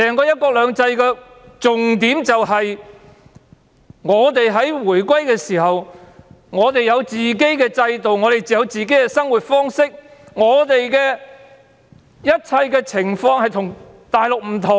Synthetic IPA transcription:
sɛː˨˩ŋkɔː˧jɐ˥t̚kɔː˧k̚lœː˨˧ŋt͡sɐ˧jkɛː˧ | t͡sʊ˨ŋt̪iː˨˥mt͡sɐ˨wɦɐ˨j | ŋɔː˨˧t̪e˨jɦɐ˨˥jwuː˨˩jkʷwɐ˥jkɛː˧siː˨˩hɐ˨w | ŋɔː˨˧t̪e˨jɐ˨˧wt͡siː˨ke˥jkɛː˧t͡sɐ˧jt̪o˨wŋɔː˨˧t̪e˨jt͡siː˨jɐ˨˧wt͡siː˨ke˨˥jkɛ˧sɐ˥ŋwuː˨t̚fɔː˥ŋsɪ˥k̚ŋɔː˨˧t̪e˨jkɛː˧ | jɐ˥t̚t͡sʰɐ˧jkɛː˧t͡sʰɪ˨˩ŋfɔː˧ŋhɐ˨jt̪ʰʊ˨˩ŋ | t̪aː˨jlʊ˨k̚m̩˨˩t̪ʰʊ˨˩

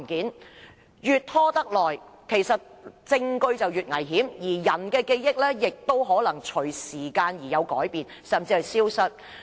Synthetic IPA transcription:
nkiː˨˥n | jyː˨t̚t̪ʰɔː˥t̪ɐ˥k̚lɔː˨˩jkʰe˨˩jsɐ˨t̚t͡sɪ˧ŋkɵ˧ɥt͡sɐ˨wjyː˨t̚ŋɐ˨˩jɦiː˨˥mjiː˨˩jɐ˨˩nkɛː˧ke˧jjɪ˥k̚lɛː˥jɪ˨k̚t̪o˥wɦɔː˨˥lɐ˨˩ŋt͡ʃʰɵ˨˩ɥsiː˨˩kaː˧njiː˨˩jɐ˨˧wkɔ̰ː˨˥jpiː˨n | sɐ˨˩mt͡siː˧hɐ˨jsiː˥wsɐ˥t̚

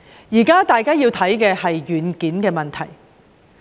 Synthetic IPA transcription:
jiː˨˩kaː˥t̪aː˨jkaː˥jiː˧wt̪ʰɐ˨˥jkɛː˧hɐ˨jjyː˨˥nkiː˨˥nkɛː˧mɐ˨˩nt̪ʰɐ˨˩j

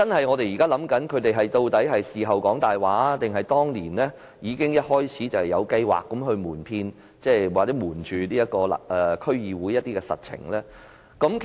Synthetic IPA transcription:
t͡sɐ˥nhɐ˨jŋɔː˨˧t̪e˨jiː˨kaː˥lɐ˨˥mkɐ˨˥nkʰɵ˨˧ɥt̪e˨jɦɐ˨jt̪o˧wt̪ɐ˨˥jɦɐ˨jsiː˨ɦɐ˨wkɔː˨˥ŋt̪aː˨jwaː˨˥t̪ɪ˨ŋɦɐ˨jt̪ɔː˥ŋliː˨˩nlɛː˥ | jiː˨˧kɪ˥ŋjɐ˥t̚hɔː˥jt͡sʰiː˨˥t͡sɐ˨whjɐ˨˧wkɐ˧jwa̰ː˨kːɐ˨˥mɦɵ˧ɥmuː˨˩npʰiː˧n | t͡sɛː˥˧waː˨k̚t͡sɛː˨˥muː˨˩nt͡ʃyː˨niː˥jɐ˥t̚kɔː˧l̰ʔɛː˨kʰɵ˥ɥjiː˨wuː˨˥jɐ˥t̚t̪iː˥kɛ˧sɐ̰˨t̚t͡sʰɪ̰˨˩ŋlɛː˥ | kɐ˨˥mk

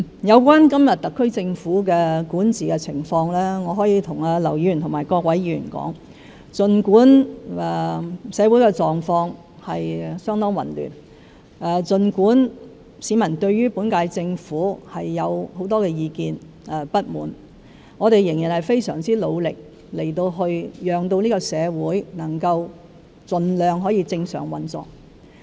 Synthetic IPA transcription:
jɐ˨˧wkʷaː˥nkɐ˥mjɐ˨t̚t̪ɐ˨kʰːɵ˥ɥt͡sɪ˧ŋfuː˨˥k̬ɛː˧kuː˨˥nt͡siː˨kɛ˧t͡sʰɪ˨˩ŋfɔː˧ŋlɛː˥ŋɔː˨˧ɦɔː˨˥jiː˨˧˥t̪ʰʊ˨˩ŋaː˧lɐ˨˩wji˨˧y˨˩t̪ʰʊ˨˩maː˨˩jkɔː˧k̚wɐ˨˥jiː˧˥jy̰˨˩nkɔ̰ː˨˥ŋ | t͡sɵ˨nkuː˨˥nɛ˨˩sɛː˨˧wu˨˥jkɛː˧t͡sɔː˨˩ŋfɔː˧ŋ | hɐ˨jsœː˥ŋt̪ɔː˥ŋwɐ̰˨˩nly̰ː˨˩n | ʔɛː˨˧t͡sɵ˨nkuː˨˥n | siː˨˥mɐ˨˩nt̪ɵ˧ɥɥyː˥puː˨˥nkaː˧jt͡sɪ˧ŋfuː˨˥hɐ˨jːɐ˨˧who˨˥wt̪ɔː˥kɛː˧jiː˨˧kiː˧n | ɛ˨pɐ˥t̚muː˨n | ŋɔː˨˧t̪e˨jɪ˨˩ŋjiː˨˩nhɐ˨˩jfe˥jsœː˨˩ŋt͡siː˥lo˨˧wlɪ˨k̚ | le˨˩jt̪o˧wɦɵ˧ɥjœː˨˧ŋt̪̬o˧wniː˥kɔ˧sɛː˨˧wuː˨˥jnɐ˨˩ŋkɐ˧w | t͡sɵ˨nlœː˨ŋɦɔː˨˥jiː˧t͡sɪ˧ŋsœ̰ː˨˩ŋwɐ˨nt͡sɔ̰ː˨k̚

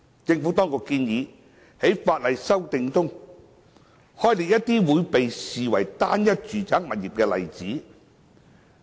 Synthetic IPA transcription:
t͡sɪ˧ŋfu˨˥t̪ɔː˥ŋkʊ˧kːiː˧njiː˨˧ | he˨˥jfaː˧t̚lɐ˨jsɐ˥wt̪ɪ˧ŋt̪ʊ˥ŋ | hɔː˥jliː˨k̚jɐ˥t̚t̪iː˥wuː˨˧jpe˨jsiː˨˩wɐ̰˨˩jt̪aː˥njɐ˥t̚t͡ʃyː˨t͡saː˨˥ŋ̚mɐ˨t̚jiː˨p̚kɛː˧lɐ̰˨˩jt͡siː˨˥

